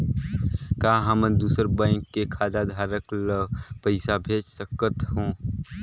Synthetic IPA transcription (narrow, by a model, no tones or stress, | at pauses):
kaːɦəməd̪uːsəɾbə̃ɪkːekʰaːd̪ad̪ʱaːɾəkləpəɪsabʱeːt͡ʃsəkət̪ɦõː